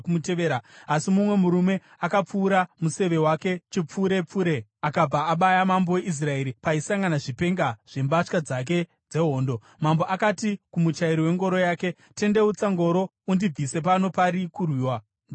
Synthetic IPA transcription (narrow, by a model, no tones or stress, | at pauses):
umuteʋeːɾaasimumwe̞muɾume̞ | akap͡fuːɾamuse̞ʋe̞wake̞t͡ʃip͡fuːɾe̞p͡fuːɾe̞akab͡vaːɓajamambo̞we̞ʔis̬rae̞ɾipaisaŋɡanaʐipe̞ŋɡaʐ̥e̞mbaʂkad͡zak̬e̞ | d͡ze̞ɦo̞ːndo̞ | mambo̞ʔakatikumut͡ʃaiɾiwe̞ŋɡo̞ɾo̞jaːke̞ | te̞nde̞ut͡saŋɡo̞ɾo̞ | undib͡vise̞pano̞paɾikurwiːwa